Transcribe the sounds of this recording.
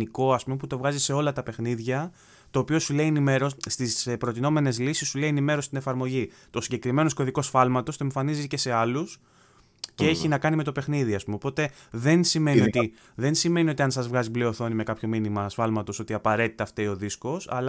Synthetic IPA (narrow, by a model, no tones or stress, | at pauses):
niko̞ɐspume̞put̪o̞vɣɐzise̞o̞lɐt̪ɐpe̞xniðʝɐ | t̪o̞ːpiosule̞ienime̞ɾo̞st̪ispɾo̞t̪ino̞me̞ne̞zlisisːuleienime̞ɾo̞sst̪ine̞fɐɾmo̞ʝit̪o̞siɲɟe̞kɾime̞nosko̞ðiko̞sfɐlmɐt̪o̞st̪oeɱfɐnizice̞se̞ɐlus | cee̞çinɐkɐnime̞t̪o̞pe̞xniðiɐspumepo̞t̪e̞ðe̞nsime̞niot̪i | ðe̞nsime̞nio̞t̪iɐnsɐzvɣɐzibleo̞θo̞nime̞kɐpço̞minimɐsfɐlmɐt̪o̞so̞t̪iɐpɐɾe̞t̪it̪ɐːft̪eio̞ðisko̞sɐ̰l